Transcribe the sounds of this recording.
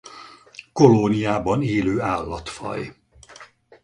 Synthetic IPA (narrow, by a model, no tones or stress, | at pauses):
koloːnijaːbɒneːløːaːlːɒt̪fɒ̰j